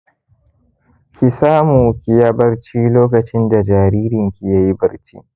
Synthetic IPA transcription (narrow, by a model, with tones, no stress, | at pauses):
kʲʰi˨saː˦muː˨kʲi˨ja˦bɐ˦ɾt͡ʃiː˦loː˦kɐ˨t͡ʃɪ˦nda˨d͡ʒaː˨ɾiː˦ɾɪ˨ŋkʲi˨ja˦ji˦bɐ˨ɾt͡ʃḭː˦